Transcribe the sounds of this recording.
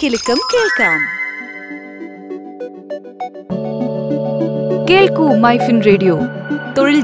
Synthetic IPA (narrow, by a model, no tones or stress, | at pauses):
kilkɐmkeːlkaːm | keːlkumaːjfinɾeːɖijoːt̪oɭ